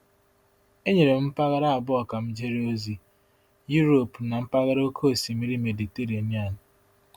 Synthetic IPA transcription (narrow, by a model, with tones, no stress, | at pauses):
e˦ɲe˨ɾe˨m̩˦pa˦ɣa˦ɾa˦a˨bʊ˦ɔ˨ka˨m̩˦d͡ʒe˦ɾe˦o˦zi˦ | ju˦ɾo˨pna˨m̩˦pa˦ɣa˦ɾo˦kʰo˦˨si˨mi˦ɾi˦me˨di˨te˦ɾi˨a˨ni˦a˦˨nʊ˨